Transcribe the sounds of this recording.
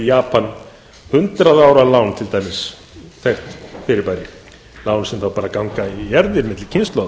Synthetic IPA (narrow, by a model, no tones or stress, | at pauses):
jaːpan | hʏnt̪ɾaðaːwɾalawnt̪ʰɪlt̪ʰamɪs | θɛxt̪fɪɾɪɾpajɾɪ | laːwnsɛmθawpaːɾakawŋkaijɛɾðɪɾmɪt̪lɪcʰɪnst̪lɔð